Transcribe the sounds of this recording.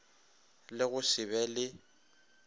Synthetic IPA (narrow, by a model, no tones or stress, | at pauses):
lɪɣʊsɪbɛlɪ